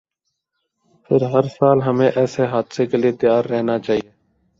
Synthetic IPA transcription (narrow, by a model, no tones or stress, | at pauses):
pʰɪɾɦəɾsaːlɦəmẽːʔɛːseːɦaːd̪seːkeːlieːt̪ɪjaːɾːɛɦnaːt͡ʃaːɦijeː